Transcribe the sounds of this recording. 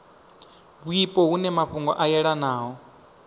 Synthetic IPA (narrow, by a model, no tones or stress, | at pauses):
βuipʼɔɦunɛmaɸuŋɡɔ̰ʔajɛɺanaːɦɔ